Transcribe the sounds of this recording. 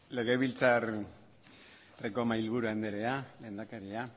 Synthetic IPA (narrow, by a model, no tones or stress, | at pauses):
le̞ɣe̞βilt͡sar | rekomailβuɾuand̪eɾe̞ale̞ːnd̪akaɾia